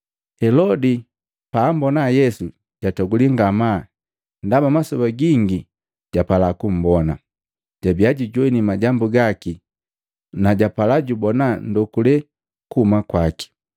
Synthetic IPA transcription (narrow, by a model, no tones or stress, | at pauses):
hɛlɔdi | paːmbɔnajɛsu | ɟ̥atɔɡuliŋɡama | ndamamasɔbaɡiŋɡi | ɟ̥apalakum̩bɔna | ɟ̥abiaɟiɟwɛnimaɟambuɡaki | naɟapalaɟubɔnandɔkulɛ | kuhumakwaki̥